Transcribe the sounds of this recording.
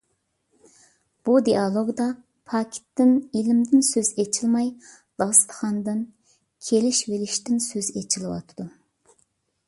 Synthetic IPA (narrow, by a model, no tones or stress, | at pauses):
b̥ud̪ijɑlˠoɡd̪ɑ | pʰɑkʲʰi̥t̪ːɪnilɪmd̪ɪnsøzet͡ʃʰilˠmɑj | d̪̥ɑst̪ə̥χɑnd̪ɨn | kʲʰelɪʃvelɪʃt̪ɪnsøzet͡ʃʰilˠɨwɑ̰t̪ʰɨ̥d̪u